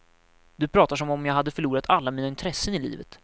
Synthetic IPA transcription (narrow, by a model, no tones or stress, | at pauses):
d̪̥ɵpʰɾɑːt̪aʂɔmɔmjɑːɡɦad̪ːəfœɭuːɾat̪ʰalːamiːnaɪnt̪ʰɾɛsːənɪlḭːvə̰t̪